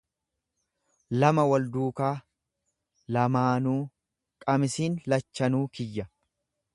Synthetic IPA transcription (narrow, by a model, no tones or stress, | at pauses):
lɐmɐwɐld̪uːkaː | lɐmaːnuː | kʼɐmɪsiːnlɐt͡ʃːɐnuːkɪjːɐ